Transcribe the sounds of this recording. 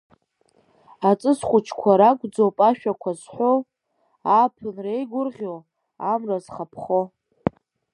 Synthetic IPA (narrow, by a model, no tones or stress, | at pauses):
at͡sʼɨsχʷʊt͡ʃʰkʷʰaɾakʷʼd͡zowpʼaʃᶣakʷʰazħʷo | apʰɨnrejɡʷʊrʁʲow | amrazχapʰχo